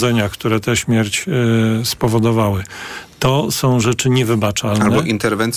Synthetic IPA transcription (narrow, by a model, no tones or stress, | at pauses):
ɛɲakt̪uɾɛt̪ɛɕmʲjɛɾt͡ɕspɔvɔd̪ɔvawɘt̪ɔsɔ̃w̃ʐɛt͡ʂɘɲɛvɘbat͡ʂalnaɛɔʔint̪ɛɾvɛnt̪s